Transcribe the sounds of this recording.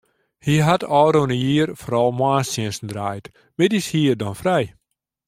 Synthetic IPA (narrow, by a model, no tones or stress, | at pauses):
hiɦatʰɔːɾonəjiːərfoɾɔlˠmwaːsjɪnsn̩draːjt | medishiːərdɔnfrɛj